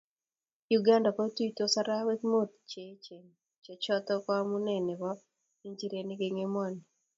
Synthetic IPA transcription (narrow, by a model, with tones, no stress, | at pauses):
juɡa˦nda˨ko˦ti˦to˦sa˦ɾa˦we˦kmo˦t̪̚t͡ʃet͡ʃe˨ŋ | t͡ʃe˨t͡ʃɔ˦t̪ɔkɔ˦a˦mu˦nɛ˨ne˨wa˦ | i˦ɲt͡ʃi˦ɾeni˦ɡe˦ŋe˦mɔ˦ni